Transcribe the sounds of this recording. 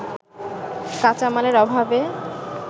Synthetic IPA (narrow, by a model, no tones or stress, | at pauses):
kat͡ɕamaleɾɔbʱabe